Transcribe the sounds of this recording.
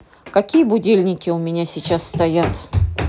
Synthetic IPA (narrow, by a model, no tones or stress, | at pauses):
kɐkʲijəbʊdʲelʲnʲɪkʲɪʊmʲɪnʲasʲɪt͡ɕasːt̪ɐjat̪